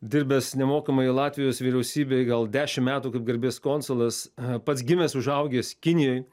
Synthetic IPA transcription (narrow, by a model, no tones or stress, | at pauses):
d̪ʲɪɾʲbʲɛsnʲɛmoːkɐmɐɪlˠɑːt̪ʲʋʲɪjoːsʋʲiːɾʲɛʊsʲiːbʲeːɡɐlˠd̪ʲæːʃʲɪmmʲæːt̪uːkɐɪp̚ɡɐɾʲbʲeːskoːnsʊlˠɐspɐt̪sɡʲɪmʲɛsʊʒɐʊɡʲeːskʲɪnʲɪjɛɪ